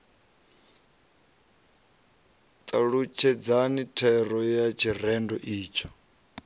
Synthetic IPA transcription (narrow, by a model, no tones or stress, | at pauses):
t̪ʼaɺut͡ʃʰɛd͡zanitʰɛrɔjat͡ʃʰirɛndɔʔiːt͡ʃʰɔ̥